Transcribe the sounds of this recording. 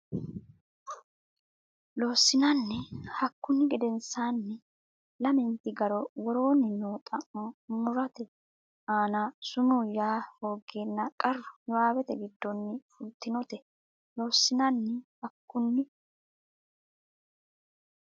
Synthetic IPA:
lo̞ːsːɪnɐnːɛhɐkːʊnːɪɡɛd̪ɛnsaːnːɛ | lɐmɛnt̪ɪɡɐɾɔwɔɾo̞ːnɪnoːt̪ʼɐʔɔmʊɾɐt̪ɛ | aːnasʊmʊjaːfo̞ːɡːe̞ːnːɐkʼɐrːʊjɔwaːwɛt̪ɛ̰ɡɪd̪ːɔnːɪfʊlt̪ːɪnɔt̪ɛ | lo̞ːsːɪnɐnːɛhɐkːʊnːɪ

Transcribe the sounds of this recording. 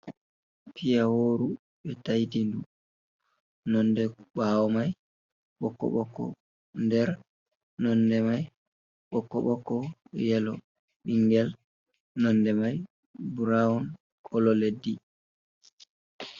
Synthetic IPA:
pʰijawoːɾu | ɓɛtajtindu | nɔndɛɓawɔmaj | ɓɔkːɔ̰ɓɔkːɔ̰ | ndɛɾ | nɔndɛmaj | ɓɔkːɔ̰ɓɔkːɔjɛlɔ | ɓiŋɡɛl | nɔnːdɛmaj | buɾaɔn | kʰɔlɔledi

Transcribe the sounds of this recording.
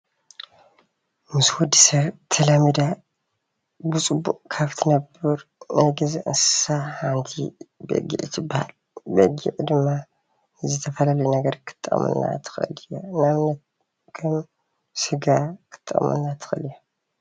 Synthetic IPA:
mɨswɔd̪isɐβt̪ʰɐlamid̪a | bɨt͡sʼɨbːuʔʼkʰaβt̪ʰɨnɐbɨɾnɐjɡɐziʔɨnsɨ̥sahant̪ʰḭbɐ̰ɡḭʕt̪ʰɨbːaha̰l | bɐɡḭʕd̪ɨmːa | zɨt̪ʰɐfɐlalɐjnɐɡɐɾkʰɨ̥t̪ʼːɐ̰χʼmɨ̰nːa̰t̪ʰɨ̥xʔɨ̰lijonaβnɐt̪̚ | kʰɐm | sɨɡakʰɨ̥t̪ʼːɐ̰χʼmɨ̰nːat̪ʰɨ̥xɨ̰ljo

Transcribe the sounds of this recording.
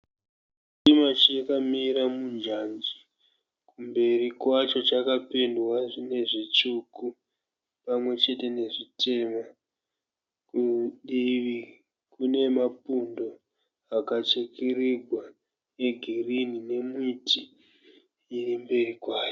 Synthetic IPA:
t͡ʃimat͡ʃijekamiɾamund͡ʒand͡ʒi̥ | kumbe̞rikwat͡ʃo̞t͡ʃakapendwaʐine̞ʐit͡ʃuku | pamwe̞t͡ʃe̞te̞ne̞ʐitʰe̞ma | kuɗiʋi | kune̞mapundo̞ | akat͡ʃekiriɡʱwa | eɡʱirinine̞mitiː | rimbe̞rikwaːt͡ʃo

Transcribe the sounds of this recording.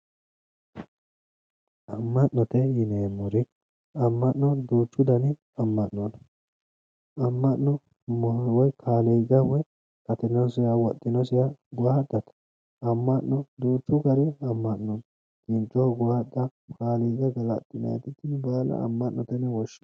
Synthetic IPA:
ɐmːɐʔnɔt̪ɛjɪneːmʊɾɪ | ɐmːɐʔnɔd̪uːt͡ʃːʊd̪ɐnɪ | ɐmːɐʔnːɔn | ɐmːɐʔːɔ | mɔwɔjkʰaːlɛjɡɐwɔj | kɐt̪ɪnɔsɪjawɔt̪ʼːɪnɔsɪjaɡʊwad̪ɐt̪ɐ̥ | ɐmːɐʔːɔdd̪uːt͡ʃːʊɡɐɾɪɐmːɐʔnɔn | kɪnt͡ʃːʊwaɡʊwad̪ɐkaːlɛjɡɐɡɐlɐt̪ʼːɪnɐ̰j̰t̪ɪt̪ːɪnbaːlɐ̰ɐ̰mːɐʔnːɔt̪ɛnɛwɔʃːɪ

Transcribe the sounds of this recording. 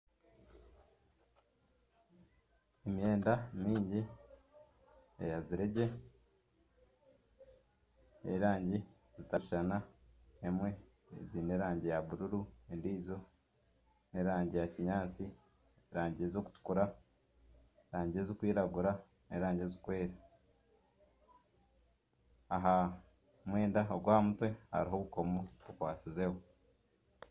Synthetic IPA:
eme̞ːndamiːɲɟi | ḛjaziɾeɟe̞ | ḛɾaːɲɟi | zitaiʃanaemwe̞ | ziːne̞ɾaːɲɟejaβuɾuɾuendiːzo̞ | ne̞ɾaːɲɟijaciɲaːt͡si | ɾaːɲɟiezoku̥tu̥kuɾa | ɾaːɲɟiezokwiːɾaɡuɾa | nḛɾaːɲɟezikwe̞ːɾa | aɦa | mwe̞ːndaoɡwaːmutwe̞ha̰ɾiɦo̞βuko̞moβukwaːt͡size̞ho

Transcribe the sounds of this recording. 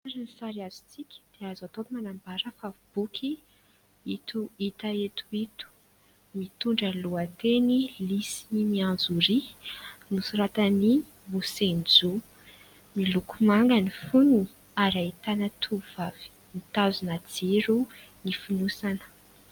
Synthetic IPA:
aɾanisaɾiazi̥t͡sikʲə̥d̪̥eazat̪omanambaɾəfavib̥ukʲʰi | it̪uit̪aet̪uit̪u̥ | mit̪uɳɖ͡ʐəluat̪enilisininiãnd͡zuɾinusuɾat̪əni | musend͡zu | milukumaŋɡənifunu | aɾait̪anət̪ʰuvavi̥ | nit̪azunad͡ziɾu | nifinusanə̥

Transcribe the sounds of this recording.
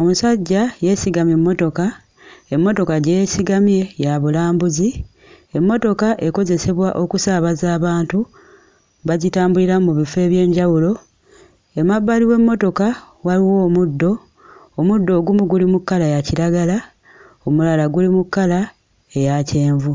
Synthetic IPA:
o̞musaɟːaje̞siɡamje̞mːo̞to̞ka | e̞mːo̞to̞kaɟeesiɡamje̞jaβulaːmbuzi | e̞mːo̞to̞kaʔeko̞ze̞se̞βwaʔo̞kusaβazaːβaːntu | βazitaːmbuliɾamuβife̞ːβje̞ːɲɟawulo̞ | e̞maβːaliwe̞mːo̞to̞ka | waliwo̞ːmudːo̞ː | mudːo̞ːɡumuɡulimukːalajaciɾaɡala | omulalaɡulimukːala | e̞jace̞ːɱvu

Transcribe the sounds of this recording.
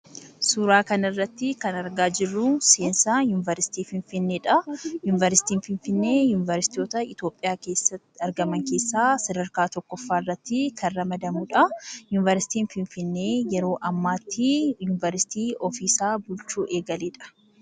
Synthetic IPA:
suːɾaːkɐnɐɪrːɐt̪ːɪkɐnɐɾɡaːd͡ʒɪrːuːseːnsaːjuːnɪvɐɾsɪ̥t̪iːfɪɱfɪnːeːᶑɐjʊnɪvɐɾɪsɪ̥t̪iːnfɪnfɪnːe̞ːjuːnɪvɐɾsɪ̥t̪o̞ːt̪ɐɪt̪o̞ːpʼːɪjaːke̞ːsːɐt̪ːɪɐɾɡɐmɐŋke̞ːsːaːsɐd̪ɐɾkaːt̪ɔkːɔfːaːɪrːɐt̪ːɪkʰɐrɐmɐd̪ɐmuːᶑɐjuːnɪvɐɾsɪ̥t̪iːnfɪnfɪnːe̞ːjɛɾo̞ːʔɐmːaːt̪ʰːɪjʊnɪvɐɾsɪ̥t̪iːɔfiːsaːbʊlt͡ʃuːʔe̞ːɡɐleːᶑɐ̥

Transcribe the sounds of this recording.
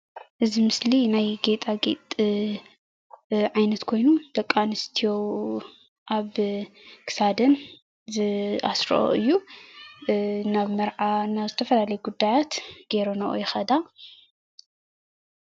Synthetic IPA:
ʔɨzimɨslinajɡet̪ʼaɡḛt̪ʼ | ʕajnɐt̪kʰo̞jnud̪̥ɐkʼːanɨst̪ʰijo̞w | ʔaβ | kʰɨ̥sad̪ɐn | zɨa̰sɾo̰ʔo̰ɨjːu | naβmɐɾʕanaβzɨt̪ʰɐfɐlalɐjuɡud̪ːajat̪ɡ̥e̞ɾonɐʔo̰jɛxɐd̪a

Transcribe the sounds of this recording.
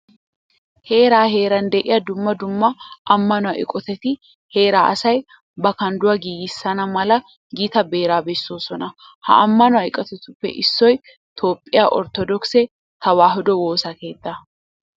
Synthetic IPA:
he̞ːɾaːɦe̞ːɾɐnd̪ɛʔɪjɐd̪ʊmːɐd̪ʊmːɐʔɐmːɐnɔwɐʔɪ̰kʼɔt̪ɛt̪ɪ | he̞ːɾaːʔɐsɐj | bɐkɐnd̪ʊwɐɡiːɡɪsːɐnɐmɐlɐ | ɡiːt̪ɐbe̞ːɾaːbɛsːoːsɔnɐ | hɐ̰ʔɐmːɐnʊwɐɪkʼɐt̪ɛt̪ʊpːɛ̰ʔɪsːɔj | t̪ʰo̞ːpʼːɪjaːʔɔ̰ɾt̪ɔd̪ɔksɛ | t̪ɐwaːɦʊd̪ɔwo̞ːsɐke̞ːd̪ːɐ

